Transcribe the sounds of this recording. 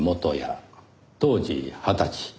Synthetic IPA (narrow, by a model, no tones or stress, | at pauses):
mot̪o̰ja̰ | t̪o̞ːd͡ʑḭhat̪at͡ɕi̥